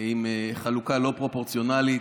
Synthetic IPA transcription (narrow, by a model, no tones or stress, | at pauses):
imeχalukalo̞pʁo̞po̞ʁt͡sjo̞nali